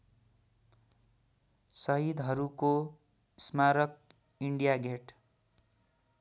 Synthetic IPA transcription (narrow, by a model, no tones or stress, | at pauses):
sʌɦid̪ɦʌɾuko | smaɾʌk̚ | iɳɖijaɡʱeʈ